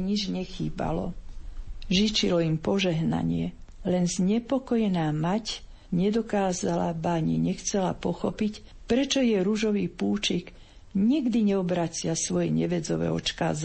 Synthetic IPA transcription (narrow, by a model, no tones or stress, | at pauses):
ɲid͡ʒɲɛxḭːba̰lɔ̰ | ʒit͡ʃilɔimpɔʒɛɦna̰ɲɪɛlɛnzɲɛpɔkɔjɛnaːmac | ɲɛd̪ɔkaːzala̰baɲḭɲɛxt͡sɛla̰pɔxɔpic | pɾɛt͡ʃɔjɛɾuʒɔʋiːpuːt͡ʃik | ɲiɡd̪iɲɛɔbɾat͡sɪasʋɔjɛɲɛʋɛd͡zɔʋɛ̰ːɔ̰t͡ʃka̰ːz